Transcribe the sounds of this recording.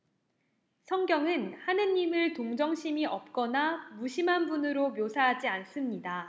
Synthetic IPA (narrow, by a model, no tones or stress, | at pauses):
sʰʌŋɡjʌŋɯnhanɯɲːimɯɭtoŋd͡ʑʌŋɕʰimiʔʌp̚k͈ʌnamuɕʰimɦanbunɯɾomjosʰaɦad͡ʑians͈ɯmɲida